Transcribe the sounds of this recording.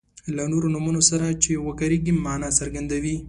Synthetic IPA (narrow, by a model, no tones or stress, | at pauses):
lanoɾonumunosaɾat͡ʃewəkaɾeɡimɑnasaɾɡand̪awi